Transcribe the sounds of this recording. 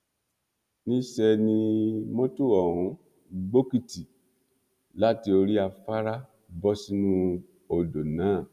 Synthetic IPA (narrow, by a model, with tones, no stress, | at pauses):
nĩ˦ʃɛ˧nĩ˧mõ˦tu˦˨ɔ˨hũ˨˦ | ɡ͡bo˦ki˦˨ti˨ | la˦ti˧o˧ɾi˦a˧fa˦ɾa˦ | bɔ˦si˦nũ˦ | o˨do˨nãː˨˦˨